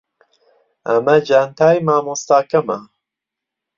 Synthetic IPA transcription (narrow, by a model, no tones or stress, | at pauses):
ɐmɐd͡ʒant̪ʰaːjmaːmust̪aːkɐmɐ̰